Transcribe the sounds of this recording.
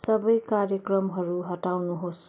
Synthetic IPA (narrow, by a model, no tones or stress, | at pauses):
sʌbʌjkaɾjʌkrʌmɦʌɾuɦʌʈawnuɦos